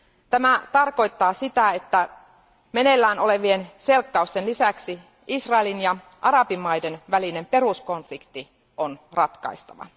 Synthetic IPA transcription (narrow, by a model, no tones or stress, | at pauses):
t̪æmæt̪ɑrko̞jt̪ːɑːsit̪æet̪ːæ | mene̞lːæːno̞le̞ʋie̞nse̞lkːɑust̪enlisæksi | ʔisrɑelinjɑ | ʔɑɾɑpimmɑjdenʋæline̞mpe̞rusko̞nflikt̪ːi | onrɑt̪kɑ̰ist̪ɑʋɑ̰